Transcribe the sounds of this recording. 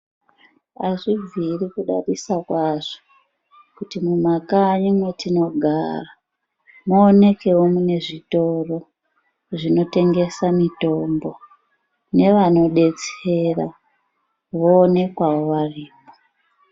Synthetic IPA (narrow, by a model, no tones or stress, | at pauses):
aʐivʱirikuɗa̰risakwaʐ̥o̥ | kutimumakaɲimwetino̞ɡʱa̰ra | muːne̞ke̞womune̞ʐito̞ro̞ | ʐino̞te̞ŋɡe̞samito̞mbo̞ | ne̞ʋano̞ɗe̞t͡se̞ra | ʋoːne̞kwawoʋariːmo